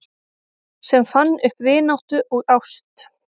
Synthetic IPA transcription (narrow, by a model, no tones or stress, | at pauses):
sɛmfanːʏhpvɪːnawht̪ʏʔɔɣawst̪